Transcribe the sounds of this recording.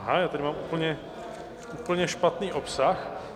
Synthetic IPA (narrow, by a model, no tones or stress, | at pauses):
ɦajaːt̪adɪmaːmʔuːpl̩ɲɛ | ʔuːpl̩ɲɛʃpat̪niːʔopsax